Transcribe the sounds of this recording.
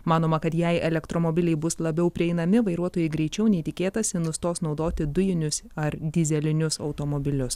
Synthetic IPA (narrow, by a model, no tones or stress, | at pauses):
mɑːnoːmɐkɐt̪jɛɪʔɛlʲɛkt̪ɾoːmobʲɪlʲɛɪbʊslˠɐbʲɛʊpʲɾʲɪɛɪnɐmʲɪʋɐɪɾuɔt̪oːjɛɪɡɾʲɛɪt͡ʃʲɛʊnʲɛɪt̪ʲɪkʲeːt̪ɐsʲɪnʊst̪oːsnɒʊd̪oːt̪ʲɪd̪ʊjɪnʲʊsɐɾd̪ʲɪzʲɛlʲɪnʲʊsɒ̰ʊt̪oːmoːbʲɪlʲʊs